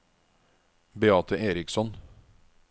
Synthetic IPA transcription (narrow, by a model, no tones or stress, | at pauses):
bɛɑːt̪ʰəʔeːɾɪksɔn